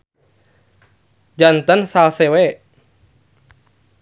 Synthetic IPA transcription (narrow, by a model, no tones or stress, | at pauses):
d͡ʒant̪ənsalsewe